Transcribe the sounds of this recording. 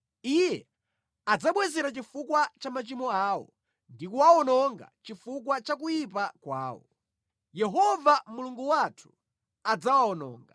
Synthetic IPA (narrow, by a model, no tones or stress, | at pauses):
ijɛ | ad͡zaɓwɛzɛɾat͡ʃifukwat͡ʃamat͡ʃimɔaːwɔ̰ | ndikuwaɔnɔŋɡa̰t͡ʃifuk̬wat͡ʃakujip̬akwa̰ːwɔ̰ | jɛɦɔvamuluŋɡuwatʰu̥ | ad͡zawaɔnɔ̰ːŋɡa